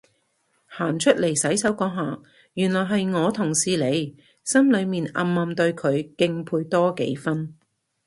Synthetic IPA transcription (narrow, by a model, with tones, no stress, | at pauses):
haː˨˩nt͡ʃʰɵ˥t̚le˨˩jsɐ˨˥jsɐ˨˥wkɔː˧ɦaː˨˩ | jyː˨˩nlɔː˨˩jɦɐ˨jŋɔː˨˧t̪ʰʊ˨˩ŋsiː˨˧le˨˧j | sɐ˥mlɵ˨˧ɥmiː˨nɐ̰˧mːɐː˨˧mt̪ɵ˧ɥkʰɵ˨˧ɥkɪ˧ŋpʰuː˧jt̪ɔː˥kḛ˨˥jfɐ˥n